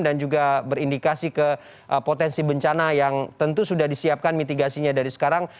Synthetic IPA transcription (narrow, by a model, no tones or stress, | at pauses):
dand͡ʒuɡabəɾindikasikə | ʔəpot̪ɛnsibəɲt͡ʃanajaŋt̪ənt̪usudahdisiap̚kanmit̪iɡasiɲadaɾisə̥kaɾaŋ